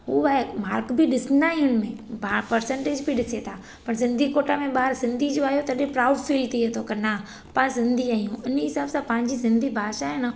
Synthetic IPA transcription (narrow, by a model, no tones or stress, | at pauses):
ɦṵːaːmaːɾkbʱɪɗɪsnaːɦiʊnɪ̆mẽbapɐɾsə̃ɳʈed͡ʑbʱiɗɪset̪ʰaː | pɐɾsɪ̃nd̪ʱikoːʈamẽɓaːɾsɪ̃nd̪ʱid͡ʑoaːijot̪ɐɗepɾaːʊɖfiːlt̪iet̪ʰokɐna | pɐɾsɪ̃nd̪ʱiaːɦijũɪnɦɪsaːbsãpɐ̃ɦɪ̃ɲd͡ʑisɪ̃nd̪ʱibʱaːʃaɦenə